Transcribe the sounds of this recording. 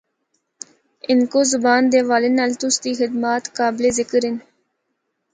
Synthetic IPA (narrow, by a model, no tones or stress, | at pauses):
ɪnkoːzʊbaːnd̪eːʋaːlɪnɐlt̪ʊst̪iːxɪd̪maːt̪kaːbleːzɪkəɾɪn